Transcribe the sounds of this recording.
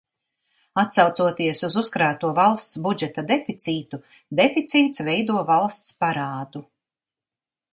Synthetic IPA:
at̪sawt̪suɔt̪iɛsuzuskɾaːt̪uɔvalˠst̪sbud͡ʒɛt̪ad̪ɛfit̪siːt̪u | d̪efit̪siːt̪svɛjd̪uɔvalˠst̪spaɾaːd̪u

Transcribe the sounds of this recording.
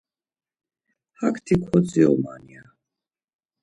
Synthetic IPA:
hakʰt̪ʰikʰwɔt͡sʼiɔ̰ma̰nia

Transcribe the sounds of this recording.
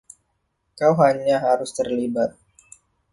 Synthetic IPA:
kawɦaɲaɦaɾʊst̪ərlibat̪̚

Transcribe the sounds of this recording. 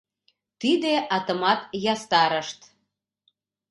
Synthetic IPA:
t̪id̪eʔɑt̪əmɑt̪jɑst̪ɑɾəʃt̪

